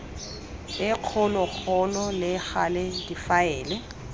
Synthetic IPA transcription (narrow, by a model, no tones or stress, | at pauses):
ɪq͡χʰʊlɔk͡xʰɔlɔlɪk͡xalɪdifaɛːlɛ